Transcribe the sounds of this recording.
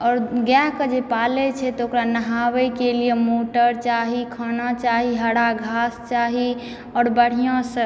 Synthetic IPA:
ɔɾɡjaɦkəd͡ʒepalɛt͡ʃʰɛt̪ɔokɾanəɦawɛkelijemoʈəɾt͡ʃaɦikʰənat͡ʃaɦiɦəɽaɡʱast͡ʃaɦi | ɔːɾbəɽ̤ijɔ̃sə

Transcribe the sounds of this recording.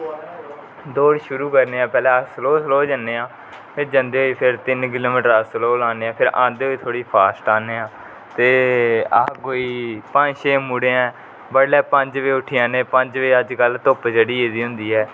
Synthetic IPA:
d̪oːɽʃʊɾuːkəɾneːãːpɛːlɛːəsəloːsloːd͡ʒənːeːãː | pʰɪɾd͡ʒənd̪eːɦoːiːpʰɪɾt̪ɪnk̬ɪloːmiːʈəɾasloːlaːneːãːpʰɪɾʔã̰ːnd̪eːoiːt̪ʰoːɽiːpʰaːsʈãːneːãː | t̪eːakoːiːpə̃ʃeːmuɽeːɛ̃ː | bəɽlɛːpə̃ɲd͡ʒʋiːʊʈʰɪjãːnẽːpəɲd͡ʒʋeːəd͡ʒkəlt̪oːpd͡ʒəɽiːeːd̪iːɦʊ̃nd̪iːɦɛː

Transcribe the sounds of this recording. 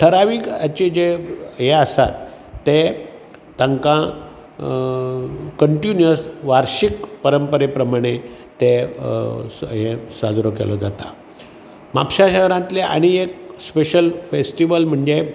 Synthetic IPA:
ʈʰəɾaʋiːkat͡ɕid͡ʑeɦeəsa̰t̪ː | e | t̪ãŋkã | kəɳʈinjəsʋaɾɕikpəɾəmpəɾepɾəmaɽ̃e | t̪e | ɦẽsad͡zɾokḛlɔ̰d͡zat̪a̰ | mapɕaɕəɦɾãt̪leʔa̰ɽ̃iek̚speɕəlfesʈiʋəlm̤əɳd͡ze

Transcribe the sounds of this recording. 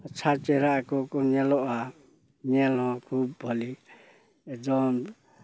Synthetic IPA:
ət͡ʃʰat͡ʃɛɾakɔkɔnɛlɔʔa | nɛlɦɔ̃kʰubːʱɔli | ɛdɔn

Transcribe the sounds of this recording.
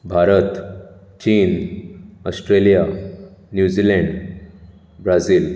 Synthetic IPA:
bʱaɾət̪ | t͡ɕiːnəsʈɾelijanjud͡ʑilɛɳɖ | bɾad͡ziːl

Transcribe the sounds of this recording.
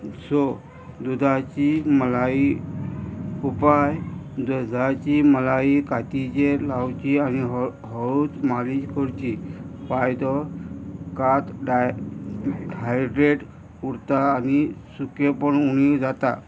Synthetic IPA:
sɔ | d̪ud̪ʱat͡ɕiməlai | upajd̪əd͡zʱat͡ɕiməlaikat̪it͡ɕelawt͡ɕianiɦɔɭut͡smaliɕkɔɾt͡ɕipajd̪ɔ | kat̪ɖa | ɦajɖɾeʈ | uɽt̪aːnisukepəɳunid͡zat̪a̰

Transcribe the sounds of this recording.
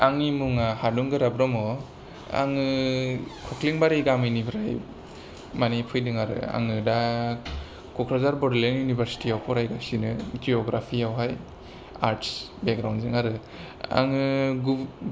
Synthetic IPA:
aŋimuŋahaduŋɡɯɾabɾɔmɔ | a̰ŋɯ | kʰɔkʰliŋbaɾiɡamɯjnibʰɾaj | manipʰɯjdɯŋaɾɯ̰a̰ŋɯda | kʰɔkʰɾazaɾbɔɾlenjunibʱaɾsi̥tiawpʰɔɾajɡasinɯd͡ʒiɔɡɾapʰiawɦaj | a̰ɾtsbekɡɾawnzɯŋaɾɯ | a̰ŋɯɡu

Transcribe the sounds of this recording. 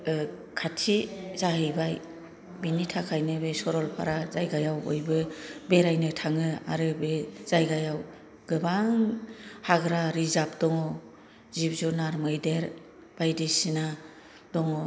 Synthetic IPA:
kʰatʰizaɦɯjbaj | binitʰakʰajnɯbesɔɾɔlpʰa̰ɾazajɡajawo̰jbɯbeɾajnɯtʰaŋɯa̰ɾɯbez̥ajɡajaw | ɡ̥ɯbaŋhaɡɾaɾizap̚d̥ɔŋɔ | zib̚zunaɾmɯjdeɾ | b̥ajdesina | dɔŋɔ

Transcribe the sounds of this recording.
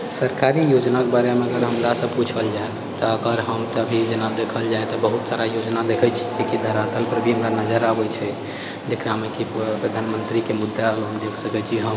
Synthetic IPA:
səɾkaɾijod͡ʒnakebaɾemeəɡəɾɦəmɾasə̃bput͡ʃʰəld͡ʒae | t̪ɔəɡəɾɦəmt̪ɔəbʱid͡ʒenad̪ekʰəld͡ʒaet̪ɔbəɦut̪saɾajod͡ʒnad̪ekʰɛt͡ʃʰi̥d͡ʒekid̪ʱəɾat̪əlpɾəbʱiɦəmɾanəd͡ʒəɾabɛt͡ʃʰɛ | d͡ʒekɾamekipɾəd̪ʱanmənt̪ɾikemud̪ʱːalɦumd͡ʒeksəkɛt͡ʃʰiɦəm

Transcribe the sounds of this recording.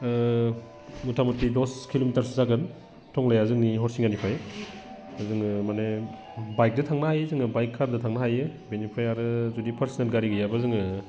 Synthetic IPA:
mutʰamutɾidɔskʰilomitɐɾszaɡɯn | tʰɔŋlajazɯŋniɦɔɾsiŋanipʰaj | azɯŋmane | bajk̚dɐtʰaŋnahajzɯŋɯbajkʰːaɾdɐtʰaŋnaɦajɯbenipʰɾajaɾɯzudipʰɐɾsinelɡaɾiɡɯjabazɯŋɯ

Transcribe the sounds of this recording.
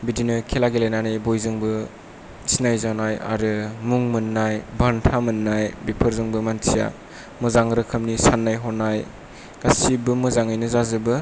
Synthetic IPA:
bidinɯkʰelaɡelajnanɯjbojzɯŋbɯ | sinajzanaja̰ɾɯmuŋmɯnːajbʱantʰamɯnːajbipʰɯɾzɯŋbɯmantʰija̰ | mɯzaŋɾɯkʰɯmnisanːajɦɔnaj | ɡ̥asibɯmɯzaŋɯjnɯzazɯbɯ

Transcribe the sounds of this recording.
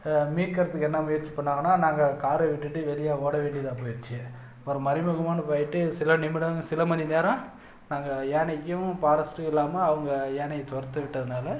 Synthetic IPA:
miːkːɐɾɐt̪ːɯkːɛnːɐmʊjɐɾt͡ʃːi̥pɐɳːaːŋɐnːaːnaːŋɡɐkaːɾɐʋɪʈːɯʈːɯʋɛlɪjaːoːɽɐʋeːɳɖɪjɐðaːpoːjɪɾt͡ʃːɪɛ | ɔɾɯmɐɾɪmɐɣɐmaːnɐpaːjɪʈːɯsɪlɐnɪmɪɽɐsɪlɐmɐnineːɾɐ̃ | naːŋɡɐeːnɐkːʊ̃paːɾɐsʈɯkɪlːaːmɐɐʋɐŋɡɐeːnɐjt̪ɔɾɐt̪ːɐʋɪʈːɐðɯnaːlɐ

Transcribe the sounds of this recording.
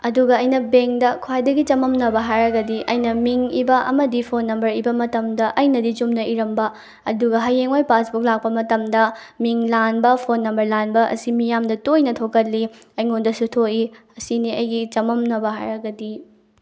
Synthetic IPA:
ɐduɡɐɐjnɐbeŋdɐkʰwajdɐɡit͡ʃɐmɐmnɐbɐɦajɾɐɡɐdiʔɐ̰jnɐmiŋibɐʔɐmɐdipʰonːɐmbɐɾibɐmɐtɐmdɐʔɐjnɐdit͡ʃumnɐʔiɾɐmbɐ | ɐduɡɐɦɐjːeŋojpasbuk̚lak̚pɐmɐtɐmdɐ | miŋlanbɐpʰonːɐmbɐɾlanbɐʔɐ̰simijamdɐtojnɐtʰokɐtlːi | ɐjŋondɐsutʰoiɐsiniɐjɡit͡ʃɐmɐmnɐbɐɦa̰jɾɐɡɐdi

